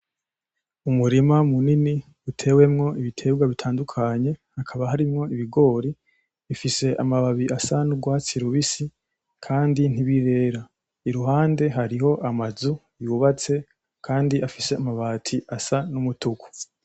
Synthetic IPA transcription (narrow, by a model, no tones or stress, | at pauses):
umuɾimamunini | utʰe̞ːwe̞mŋo̞ʔiβitʰe̞ːbɡwaβitʰaːndukʰaɲe̞hakʰaβaɦaɾimŋo̞iβiɡo̞ːɾi | ifise̞ʔamaβaβiʔasanubɡwaːt͡siɾuβisi | kʰaːndin̥iβiɾe̞ːɾa | iɾuɦaːnde̞ɦaɾiho̞ʔamazu | juːβat͡se̞ | kʰaːndiʔafise̞amaβaːtʰiʔasanumutuku̥